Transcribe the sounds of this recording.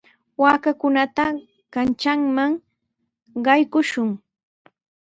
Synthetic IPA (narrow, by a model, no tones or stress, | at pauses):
waːkakʊnat̪a | kant͡ʃaŋmaŋ | ɢɑjkʊʃʊŋ